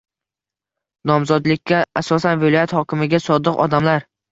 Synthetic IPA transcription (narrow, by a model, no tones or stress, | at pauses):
nɒmzɒd̪lɪkʲːaasɒsanvɪlˠɒjat̪hɒkʲɪmɪɡʲasɒd̪ɨqɒ̰d̪amlaɾ